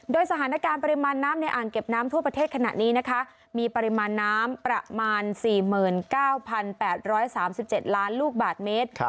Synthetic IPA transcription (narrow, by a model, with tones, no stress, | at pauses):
doː˧jsa˧t̪ʰaː˩˦na˦˥kaː˧npa˧ɾi˧maː˧nːaː˦˥mna˧jʔaː˨˩ŋke˨˩p̚naː˦˥mt̪ʰu˥˩ɐpɾa˧t̪ʰeː˥˩t̪̚kʰa˧na̰˨˩ʔniː˦˥na˦˥kʰa˦˥ʔ | miː˧pa˧ɾi˧maː˧nːaː˦˥mpɾa˧˥maː˧nsiː˨˩mɯː˨˩nkaː˥˩wpʰa˧npɛː˨˩t̪̚ɾɔː˦˥jsaː˩˦msi˨˩p̚t͡ɕe˨˩t̪̚laː˦˥nluː˥˩k̚baː˨˩t̪̚meː˦˥t̪̚